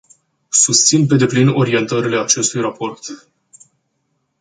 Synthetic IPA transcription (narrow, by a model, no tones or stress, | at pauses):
sust̪sinp̬e̞d̪e̞plino̞ɾie̞nt̪əɾile̞at͡ʃe̞st̪ujrapo̞rt̪